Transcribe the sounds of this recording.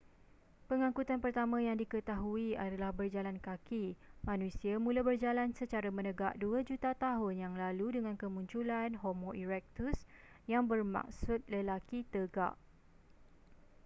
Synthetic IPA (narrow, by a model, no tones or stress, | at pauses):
pəŋãŋkut̪anpərt̪amãjaŋdikət̪aɦuiadalahbərd͡ʒalankakimãnũsiamũlabərd͡ʒalansət͡ʃaɾamə̃nəɡaʔ̚duad͡ʒut̪at̪aɦʊnjaŋlaludəŋãnkəmũɲt͡ʃulanɦomoʔiɾɛk̚t̪us | jaŋbərma̰ksʊt̪̚ləlakit̪əɡa̰ʔ